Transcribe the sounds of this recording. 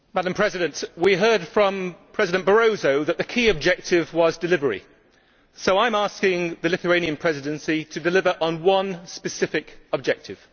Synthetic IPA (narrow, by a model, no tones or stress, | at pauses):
madə̃mpʰɹ̥ɛzɪɾə̃nʔwiɦɜːd̥fɹə̃mpʰɹ̥ɛzɪdə̃nb̥əɹoʊzoʊðəʔðəkʰiːəb̚d͡ʒɛk̚tʰɪvwɒzdɪlɪvəɹḭ | soʊãɪ̃mɑˑskɪ̃ŋðəlɪθəẽɪ̃niə̃npʰɹ̥ɛzɪdə̃nsitʰədɪlɪvəɹʔə̃nwʌ̃nspəsɪfɪkəb̚d͡ʒɛk̚tʰɪv̥